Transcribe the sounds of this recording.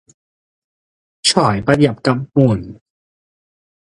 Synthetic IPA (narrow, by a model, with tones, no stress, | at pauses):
t͡ɕʰɔː˨˩˦jpa˧ja˨˩p̚ka˧˩p̚mu˨˩n